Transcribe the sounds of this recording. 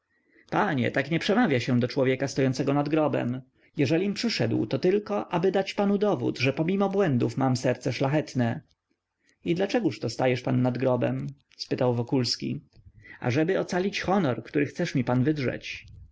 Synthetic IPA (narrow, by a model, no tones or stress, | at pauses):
paɲɛ̰t̪akɲɛpʂɛmavʲjaɕɛ̃d̪ɔt͡ʂwɔvʲjɛkast̪ɔjɔnt̪sɛɡɔnad̪ɡɾɔbɛ̰m | jɛʐɛlʲimpʂɘʂɛd̪wt̪ɔt̪ɘlkɔʔabɘd̪at͡ɕpanud̪ɔvṵt̪ʐɛpɔmʲimɔbwɛnd̪ufmamsɛɾt̪sɛʂlaxɛt̪nɛ | id̪lat͡ʂɛɡuʂt̪ɔst̪ajɛʂpanːad̪ɡɾɔbɛ̰m | spɘt̪awvɔkulskʲḭa̰ʐɛbɘɔt̪salʲit͡ɕxɔnɔɾkt̪uɾɘxt̪sɛʂmʲipanvɘd̪ʐɛ̰t͡ɕ